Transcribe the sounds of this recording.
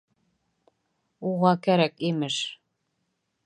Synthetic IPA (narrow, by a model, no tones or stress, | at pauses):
uʁɑkæɾækimɘʃ